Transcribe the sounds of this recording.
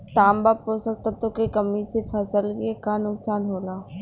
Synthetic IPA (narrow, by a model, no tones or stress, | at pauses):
t̪aːmbaːposək̚t̪at̪okekəmisefʰɐsəlkekanʊksaːnɦoːlaː